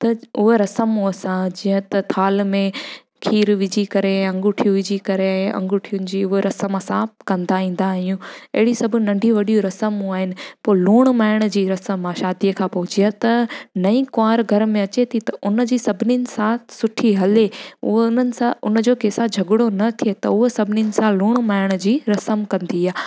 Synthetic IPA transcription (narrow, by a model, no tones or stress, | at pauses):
t̪ɐʊɦeɾɐsəmuəsãd͡ʑĩɦə̃t̪ɐt̪ʰaːlmẽ | kʰiːɾʋɪd͡ʑikɐɾeɐ̃ŋɡʊʈʰijũʋɪd͡ʑikɐɾeaẽʔɐ̰̃ŋɡʊʈʰijʊnɪ̆d͡ʑiːʊɦeɾɐsəmasãːp̚kɐ̃nd̪aɦĩːn̆d̪aːɦijũɐɦɪɽisɐbʱʊnɐ̃ɳɖʱĩʋɐɗijuɾɐsəmuaːɦɪnɪ̆poːluːɽ̃maːɪɽ̃ə̆d͡ʑiːɾɐsəmːãʃaːd̪ijəkʰãːpɐɦʊt͡ɕijat̪ɐnɐĩkʊaːɾɡʱɐɾmẽɐt͡ɕet̪ʰit̪ɐʔʊnə̆d͡ʑiːsɐbʱɪninɪ̆sãːsʊʈʰiɦɐleʊ̰ɦʊnənɪ̆sãʔʊnəd͡ʑoːkeːsad͡ʑʱɐɡɪɽonɐt̪ʰiet̪ɐʊɦosɐbʱɪninɪ̆sãloːɽ̃maːɪɽ̃ʊd͡ʑiːɾɐsəmkɐ̃nd̪iaː